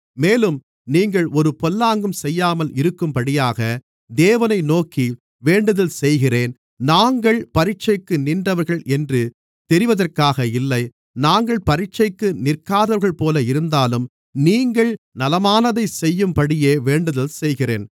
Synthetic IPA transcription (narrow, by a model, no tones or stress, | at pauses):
meːlɯm | niːŋɡɐɭʔɔɾɯpɔlːaːŋɡɯmsɛjːaːmɐlɪɾɯkːɯmpɐɽɪjaːɣɐ | d̪eːʋɐnɐɪnoːki | ʋeːɳɖɯðɐlsɛjɣɪreːn | naːŋɡɐɭpɐɾɪt͡ʃːɐɪkːɯnɪndrɐʋɐɾɣɐɭɛndrɯ | t̪ɛɾɪʋɐðɐrkaːɣɐɪlːɐɪ | naːŋɡɐɭpɐɾɪt͡ʃːɐɪkːɯnɪrkaːðɐɾɣɐɭpoːlɐɪɾɯnd̪aːlɯm | niːŋɡɐɭnɐlɐmaːnɐðɐɪsɛjːɯmpɐɽɪjeːʋeːɳɖɯðɐlsɛjɣɪrḛːn